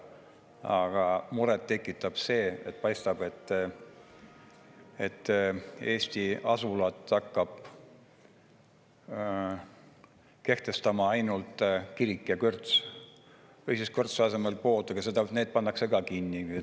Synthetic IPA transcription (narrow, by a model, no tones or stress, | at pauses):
ɑɡ̥ɑmuɾɛt̪ːe̞kːˑit̪ːɑb̥se̞ːet̪̚ːpɑjst̪ɑb̥e̞t̪ːˑ | et̪ːe̞ːsʲt̪iɑsulɑt̪ːˑɑkːɑb̥ | ke̞ht̪e̞st̪ɑmɑɑjnult̪ˑkiɾikːˑjɑkørt̪s | ejsiskørt̪sɑse̞melpo̞ːt̪ːˑɑɡ̥ɑse̞d̪ɑne̞ːd̪̥̚pɑnːɑkse̞kɑkinːi